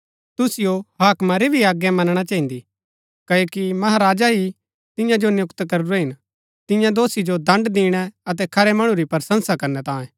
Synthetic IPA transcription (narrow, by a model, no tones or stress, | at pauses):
t̪ʊsɪjoɦaːkmaɾebʱiaːɡːɛmɐnɽ̃at͡ʃɐːĩnd̪i | kɐjoːkimɐɦaɾaːd͡ʒaɦi | t̪ɪ̃jãd͡ʒonjʊkt̪kɐɾuɾɛɦɪn | t̪ɪ̃jãd̪oːsid͡ʒod̪ɐ̃ɳɖd̪ĩːɽ̃ɛɐt̪̬ɛkʰɐɾɛmɐɽ̃ũɾipɐɾsə̃nsakɐɾnɛt̪ãːẽ